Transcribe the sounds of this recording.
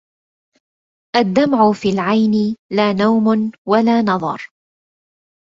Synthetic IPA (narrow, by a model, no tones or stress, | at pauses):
ʔad̪ːamʕʊfiːlʕajnɪlaːnawmʊnwalaːnɑðˤɑ̰ɾˤ